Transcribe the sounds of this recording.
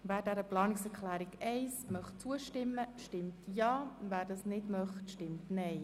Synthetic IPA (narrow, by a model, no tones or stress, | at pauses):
væːɾdɛɾəplɑːnɪksɛɾkʰχlæːɾɪɡɛɪsmœχtt͡suəʃtɪmːəʃtɪmtjɑːvæːɾdɑsnɪdmœχtʃtɪmtnɛɪ